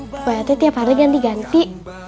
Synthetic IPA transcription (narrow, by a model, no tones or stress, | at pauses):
wat̪ɛt̪iapaɾiɡand̪iɡant̪i